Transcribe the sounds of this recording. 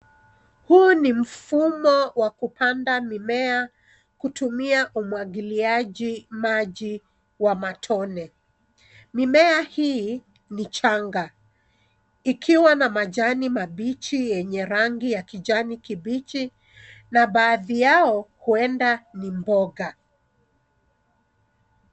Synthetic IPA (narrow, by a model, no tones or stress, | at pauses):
hunim̩fumɔwakupandamimɛa | kutumiaʔumwaɡiliaʄimaʄi | wamatʰɔnɛ | mimɛahi | nit͡ʃaŋɡa | ikʰiwanamaʄanimaɓit͡ʃijɛɲɛɾaŋɡijakiʄanikibit͡ʃi | naɓaːðijaɔhuɛndanimbɔɡa